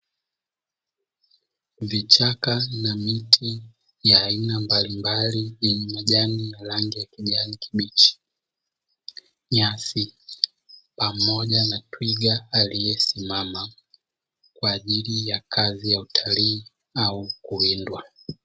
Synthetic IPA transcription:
vit͡ʃakanamitʰi | jaːinambalimbaliiɲumaʄaninalaŋɡijakiʄanikʰiɓit͡ʃi̥ | ɲasi | pamɔʄanatwiɡaːlijɛsimama | kwaːʄilijakʰazijautʰaliː | aukuindwa

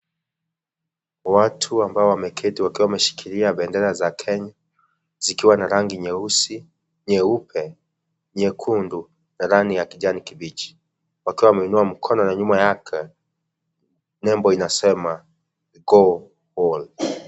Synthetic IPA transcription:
watʰuambaɔwamɛkʰɛtiwakiwamɛʃi̥kʰiɾiaɓɛndɛɾazakʰɛɲa | zikiwanaɾaŋɡiɲɛusi | ɲɛupʰɛ | ɲɛkʰundu | naɾanijakiʄanikiɓit͡ʃi̥ | wakiwawmɛinuam̩kʰɔnɔnaɲumajakʰɛ | nɛmbɔinasɛma | ɡɔ | hɔl

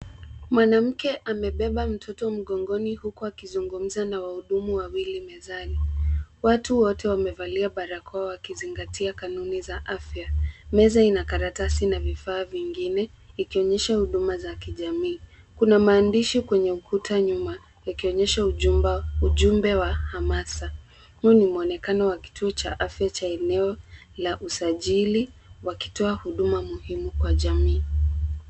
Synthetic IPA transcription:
mwanam̩kɛʔamɛɓɛɓam̩tʰɔtɔm̩ɠɔŋɡɔnihukuakizuŋɡum̩zanawahuɗumuwawilimɛzaliwatuwɔtʰɛwamɛvaliaɓaɾakʰɔawakiziŋɡatiakanunizaʔafjamɛzainakaɾatasinavifaːviŋɡinɛ | ikiɔɲɛʃahuɗumazakiʄamiː | kunamaːndiʃikwɛɲɛukutʰaɲuma | jakiɔɲɛʃauuʄumbɛwahamasa | munimuɔnɛkanɔwaki̥tʰuɔt͡ʃa̰ʔafjat͡ʃaɛnɛɔ | laʔusaʄiliwaki̥tɔahuɗumamuhimukwaʄamiː

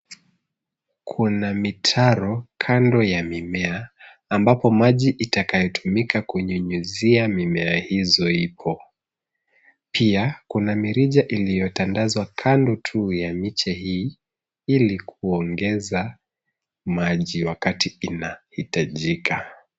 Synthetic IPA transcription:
kʰunamitʰaɾɔkʰandɔjamimɛaː | mbapɔmaʄiʔitakajɔtʰumikakuɲuɲuziamimɛahizɔipʰɔ | pʰiakunamiɾiʄaʔilijɔtandazwakʰandɔtʰujamit͡ʃɛhiː | ilikʰuɔŋɡɛza | maʄiwakatiinahitaʄikʰa

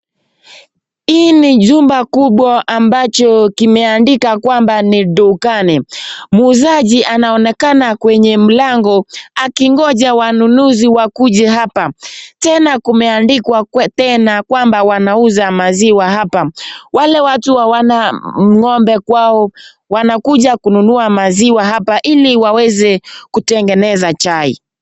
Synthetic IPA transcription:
iːniʄumbakuɓwaambat͡ʃɔkimɛandikakwambaniɗɔkanɛmuːzaʄiʔanaɔnɛkanakwɛɲɛm̩laŋɡɔakiŋɡɔʄawanunuziwakuʄɛɦapatɛnakumɛandikwatɛnakwambawanauzamaziwaɦapawalɛwatuwawanam̩ŋɔmbɛkwaɔ | wanakuʄakununuamaziwaɦapaʔiliwawɛzɛkutɛŋɡɛnɛzat͡ʃaḭ

